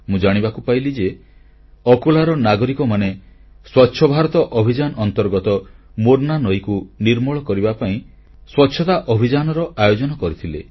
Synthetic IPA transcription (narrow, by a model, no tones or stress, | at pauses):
mũd͡ʒaɽ̃ibakupailid͡ʒe | ɔkolaɾɔnaɡɔɾikɔmane | swɔtːʃʰɔbʱaɾɔt̪ɔʔɔbʱid͡ʒanɔɔnt̪ɔɾɡɔt̪ɔmoɾnanɔjkuniɾmɔɭɔkɔɾibapaĩ | swɔtːʃʰɔt̪aʔɔbʱid͡ʒanɔɾɔʔajod͡ʒɔnɔkɔɾit̪ʰilḛ